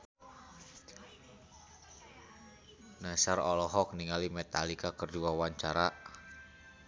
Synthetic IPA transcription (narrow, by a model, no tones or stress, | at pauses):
nasarɔlɔɦɔk̚niŋalimɛt̪alikakərduawaɲt͡ʃaɾa